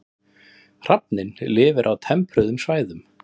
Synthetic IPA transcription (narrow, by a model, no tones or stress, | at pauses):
r̥ap̚nɪnlɪːvɪɾʔawt̪ʰɛmpɾʏðʏmsvaːjðʏm